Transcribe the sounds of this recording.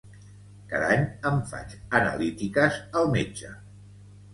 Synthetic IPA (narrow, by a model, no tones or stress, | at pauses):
kaðaɲəɱfa̰t͡ʃənə̰lit̪ikəzəlˠmed͡ʒə